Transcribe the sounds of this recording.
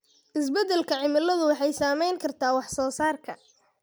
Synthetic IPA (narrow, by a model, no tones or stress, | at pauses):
ʔɪsbɛd̪ɛlkʰɐʕɪmɪlɐðʊwɑħɑjsaːmɛjŋkʰɐrt̪ʰaːwɑħsɔːsaːrkʰɐ̰